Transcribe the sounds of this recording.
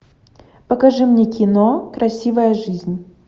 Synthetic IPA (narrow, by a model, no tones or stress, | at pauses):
pəkɐʐɨmnʲekʲɪnokɾʔɐsʲivəjəʐɨzʲnʲ